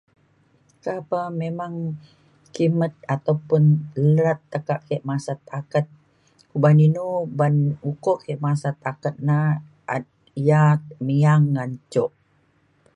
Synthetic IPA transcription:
kapamemaŋ | kimət̪̚at̪awpunləɾat̪ːəkaʔkʰeʔmasat̪akət̪̚ | kubaninubanukɔʔkeʔmasat̪akət̪̚na | ʔa̰t̪̚ | ijat̪̚miaŋːant͡ʃɔʔ

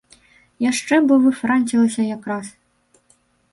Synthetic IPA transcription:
jaʂt͡ʂɛbɔvɨfɾanʲt͡sʲilˠɐsʲɐjakɾas

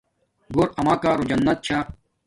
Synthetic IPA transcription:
ɡoɾɐmaːkaːɾod͡ʑɐnːɐt̪̚t͡ɕʰaː

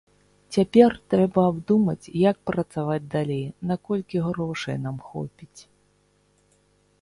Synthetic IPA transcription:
t͡sʲapʲɛrt̪ɾɛbɐːbd̪umɐt͡sʲjak̚pɾɐt̪savad͡zʲd̪alʲejnakɔlʲkʲiɣɾɔʂɐ̰jnamxɔ̰pʲit͡sʲ

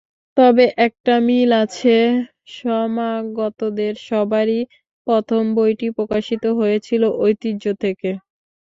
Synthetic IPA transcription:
t̪ɔbeʔɛk̚ʈamilat͡ɕʰe | ʃɔmaɡɔt̪od̪eɾʃɔbaɾi | pɔt̪ʰombojʈipɾokaʃit̪oɦojet͡ɕʰiloʔojt̪iːot̪ʰeke

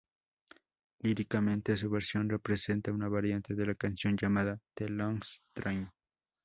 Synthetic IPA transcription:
liɾikamẽnt̪es̬uβeɾsjonrepɾesent̪aunaβaɾjant̪eðelakansjond͡ʒamaðat̪eloŋst̪ɾajn

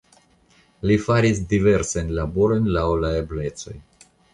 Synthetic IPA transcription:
lifaɾisdive̞ɾsanlaboɾo̞jnlawlaeble̞t͡so̞j

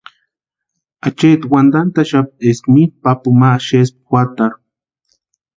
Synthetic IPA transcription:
at͡ʃet̪wand̪ant̪aʃap̚t̪eskmipapumaʃesp̚xwat̪aɾ

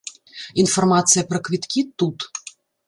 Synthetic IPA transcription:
infɔrmat̪sɨjɐpɾɐkvʲit̪kʲit̪ut̪

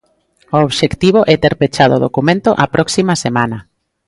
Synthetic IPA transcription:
ooβʃekt̪iβ̞oʔɛt̪eɾpet͡ʃaðo̰ðokumẽnt̪oʔɐpɾʔɔksimɐsemanɐ

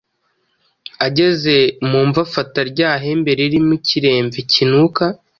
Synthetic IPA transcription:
aɟe̞ze̞muːɱvafataɾɟaːɦe̞mbe̞ɾeɾimuciɾe̞ːɱvicinuka

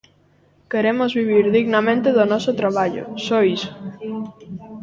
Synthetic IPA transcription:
keɾemozβiβ̞iɾðiɣnamẽnt̪eðonɔsot̪ɾaβ̞aʎo̰sojs

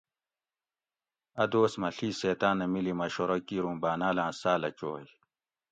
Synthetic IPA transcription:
ɐd̪oːsmɐɬiːseːt̪aːnɐmilimɐɕoɾɐkiːɾũːmbaːnaːlãːsaːlɐt͡ɕoːj

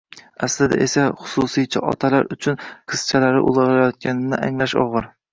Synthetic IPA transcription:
aslɪd̪a̰ʔe̞saχʊ̥sʊsijt͡ʃʰaʔɒ̰t̪ʰala̰ɾʊt͡ʃʰʊnqʰɨz̥t͡ʃʰalaɾɪ̰ʔʊ̰lˠɨɪlajɒt̪̚kʲʰanɪnɪʔa̰ŋlaʃɒ̰ʁɨɾ

